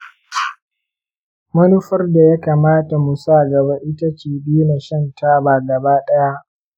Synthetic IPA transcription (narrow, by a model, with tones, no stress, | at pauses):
mɐ˦nʊ˦ɸɐ˦rda˨ja˦kaː˨maː˦ta˨mu˨saː˦˨ɡɐ˨ba˦ʔɪ˦ta˦t͡ʃiː˨bi˦na˨ʃɐ˦ntaː˦baː˨ɡɐ˨baː˦ɗɐ˦ja˦ʔ